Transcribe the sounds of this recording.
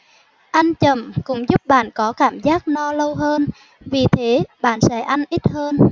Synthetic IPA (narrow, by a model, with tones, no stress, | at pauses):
ʔa˧jŋ̟t͡ɕə˨˩mkʊ̰˧˥ŋ͡mzʊ˦˥p̚ɓa̰ː˧˨nkɔ˨˦kaː˧˩mzaː˦˥k̚nɔ˧lə˧wɦəː˧n | vi˨˩t̪ʰe˨˦ɓa̰ː˧˨nsɛ̰˧˥ʔa˧jŋ̟ʔi˦˥t̚həː˧n